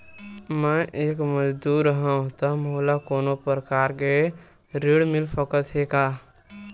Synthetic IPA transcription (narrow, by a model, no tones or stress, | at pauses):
mɛ̃ʔeːkməd͡ʒd̪uːɾɦãũt̪ɔmolakoːnopɾəkaːɾke | ɾiɽmɪlpəkət̪ɦekaː